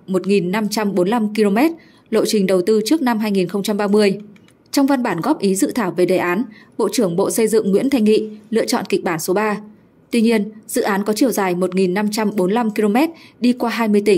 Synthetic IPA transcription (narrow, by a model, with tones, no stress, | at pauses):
mo˨˩t̚ŋi˨˩nːa˧mt͡ɕa˧mɓo˨˦nla˧mki˧lo˧mɛ˦˥t̚ | lo̰˧˨t͡ɕï˨˩ŋ̟ɗə˨˩wt̪ɨ˧t͡ɕɨ˦˥ək̚na˧mɦaː˧jŋi˨˩nxə˧wŋ͡mt͡ɕa˧mɓaː˧mɨ˧əj | t͡ɕɔ˧wŋ͡mva˧nɓaː˧˩nɣɔ˦˥p̚ʔi˨˦zɨ̰˧˨t̪ʰaː˧˩wve˨˩ɗe˨˩ʔaː˨˦nɓo̰˧˨t͡ɕɨ˧˩əŋɓo̰˧˨sə˧jzɨ̰˧˨ŋːwḭ˧˥ənt̪ʰa˧jŋ̟ŋḭ˧˨lɨ̰˧˨ət͡ɕɔ̰˧˨nki˨˩k̚ɓaː˧˩nso˨˦ɓaː˧ | t̪wi˧ɲi˧ənz̥ɨ̰˧˨ʔaː˨˦nkɔ˨˦t͡ɕi˧˩əwzaː˨˩jmo˨˩t̚ŋi˨˩nːa˧mt͡ɕa˧mɓo˨˦nla˧mki˧lo˧mɛ˦˥t̚ɗi˧kwaː˧ɦaː˧jmɨ˧əjt̪ï˧˩ŋ